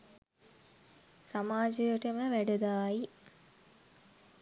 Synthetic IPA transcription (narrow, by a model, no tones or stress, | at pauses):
samaːd͡ʒəjəʈəməʋæɖəd̪aːi